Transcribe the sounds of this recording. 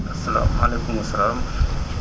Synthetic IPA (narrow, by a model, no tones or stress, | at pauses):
ɐsɐla̰ːmalekumɐsːɐlaːm